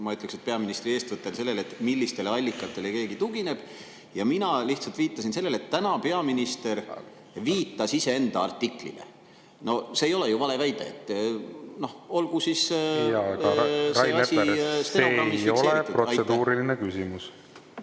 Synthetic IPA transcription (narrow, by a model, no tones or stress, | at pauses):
mɑyt̪lekset̪̚pe̞ɑminist̪rie̞ːst̪vɯt̪ːˑelse̞lːe̞let̪ːmilːist̪e̞leɑlʲːikːˑɑt̪ːˑe̞leke̞ːɡit̪uɡ̥ine̞b̥ | jɑminɑliht̪sɑlt̪viːt̪ˑːɑsinse̞lːe̞let̪ːænɑpe̞ɑminist̪e̞ɾ | viːt̪ːˑɑsise̞e̞nd̪ɑɑrt̪ːˑikˑlḭd̥̪ḛ | no̞seːjo̞le̞juvɑle̞væjd̪̥eet̪ːˑno̞ho̞lɡ̥usis | eesist̪eoɑio̞leeit̪ːu̥dproɑjsed̪uːɾilinekysimus